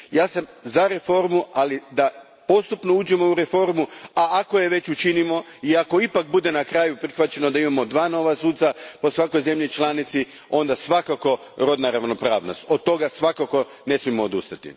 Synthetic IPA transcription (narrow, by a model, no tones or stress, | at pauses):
jaːsamzaɾe̞fo̞ɾmualid̪a | po̞st̪upno̞ud͡ʑemo̞uɾe̞fo̞ɾmuaakoje̞ʋe̞t͡ɕut͡ʃinimo̞iako̞ipak̚bud̪e̞nakɾaːjupɾixʋat͡ɕe̞nod̪aimamo̞d̪ʋaːno̞ʋasuːt̪sapo̞sʋako̞jze̞mʎit͡ʃlanit̪si | o̞nd̪asʋakako̞ | ɾo̞d̪naɾaʋno̞pɾaːʋnost̪od̪̚t̪ːo̞ɡasʋakako̞ | ne̞smiemoːd̪ṵst̪at̪ḭ